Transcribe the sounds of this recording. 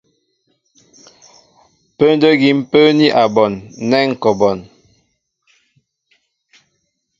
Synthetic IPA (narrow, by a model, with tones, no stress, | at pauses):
pə˦n˦də˦ɡi˨m˦pə˦ni˦ʔa˨bɔ˨nːɛ˦ŋ̩˨kɔ˨bɔ˨n